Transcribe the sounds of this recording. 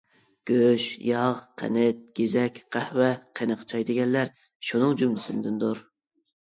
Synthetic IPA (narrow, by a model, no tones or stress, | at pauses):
ɡ̥ʲøʃjɑʁqʰɛ̰nɪt̪̚ɡ̥ʲezɛkʲqʰɛhwɛqʰenəqʰt͡ʃʰɑjd̪ɪɡʲɛnlæɾ | ʃunɨŋd͡ʒumlɪsɪnd̪ɪnd̪uɾ